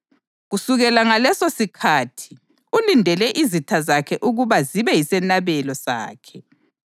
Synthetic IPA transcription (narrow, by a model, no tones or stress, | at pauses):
ɣusuɣɛlaŋalɛsosikʰaːtʰi̥ | ulindʱɛlɛʔizitʰazakʰɛʔuɣuβaziβɛjisɛnaβɛlɔsa̰ːkʰɛ